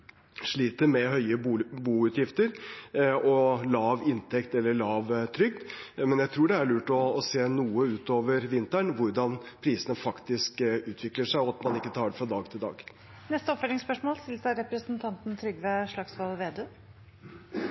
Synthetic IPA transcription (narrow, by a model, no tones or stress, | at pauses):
ʂɭiːt̪əɾmɛɦœʏəbuːʉt̪jɪft̪əɾ | ɔlɑːʋɪnt̪ʰɛkt̪ɛlːəɭɑːʋt̪ʰɾʏk̚d̪mɛnjæɪt̪ʰɾuːɖɛæɭʉːʈɔːseːnuːəʉːt̪oːʋəɾʋɪnt̪æɳʋʊɾɖɑnpʰɾiːsənəfɑkt̪ɪskʉːt̪ʰʋɪkləʂæɪɔɑt̪mɑnɪkːət̪ʰɑːɖ̪ɛfɾɑd̪ɑːɡt̪ʰɪld̪ɑ̰ːɡ | nɛst̪əɔpfœʈ̪ɪŋspœʂmoːlst̪ɪlsɑɾɛpɾəsnt̪ʰɑnt̪n̩t̪ʰɾʏɡʋeʂɭɑksʋɑlʋeːd̪øː